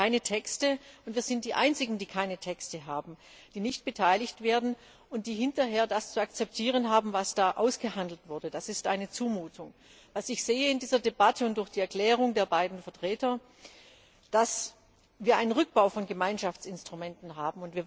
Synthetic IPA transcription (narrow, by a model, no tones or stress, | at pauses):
aɪnətʰɛkstəʊntv̥iːɐzɪnt̚d̥iːʔaɪnt͡sɪɡŋ̩diːkʰaɪnətʰɛkstəɦaːbm̩ | d̥iːnɪçt̚b̥ətʰaɪlɪçtv̥eːɐdn̩ | ʊnt̚d̥iːɦɪntɐɦeːɐdast͡suakt͡sɛp̚tʰiːʁ̞ənɦaːbm̩vasd̥aːʔaʊsɡ̥əɦandl̩tv̥ʊɐdəd̥asɪstʔa̰ɪnət͡suːmuːtʰʊŋ | vasɪçz̥eːəɪndiːzɐdebatʰəʊntd̥ʊɐçd̥iːɛɐkl̥ɛːʁ̞ʊŋdeːɐbaɪdn̩fɛɐtʁ̥ɛːtɐ | d̥as | viːɐʔaɪnənʁʏk̚b̥aʊfɔnɡəmaɪnʃaft͡sɪnstʁ̥umɛntn̩ɦaːbm̩ʊntv̥iːɐ